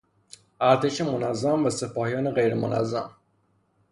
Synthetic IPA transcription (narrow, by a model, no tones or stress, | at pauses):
ʔæɾt̪ʰeʃemonæzːæmvæsepɒːhijɒːneɣejɾemonʔæ̰zːæ̰m